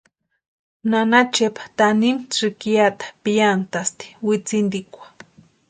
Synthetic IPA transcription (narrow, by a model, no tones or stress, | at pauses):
nanat͡ʃepḁt̪animʂɨkiat̪ḁpijant̪ast̪i̥wit͡sind̪ikʷḁ